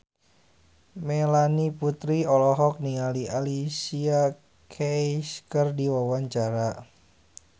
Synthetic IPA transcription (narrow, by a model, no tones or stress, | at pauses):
melaniput̪ɾiɔlɔɦɔk̚niŋaliʔalisia | kʰejskərdiwawaɲt͡ʃaɾa